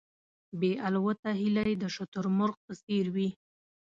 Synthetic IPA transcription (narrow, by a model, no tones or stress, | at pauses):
beʔalwat̪aɦilajed̪əʃʊt̪ʊɾmʊɾq̚pəseɾwi